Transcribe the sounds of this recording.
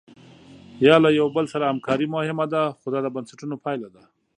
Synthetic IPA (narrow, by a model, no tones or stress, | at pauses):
jɑlajawbəlsaɾahamkɑɾimʊhɪmad̪axod̪ɑd̪əbansaʈunopɑjlad̪a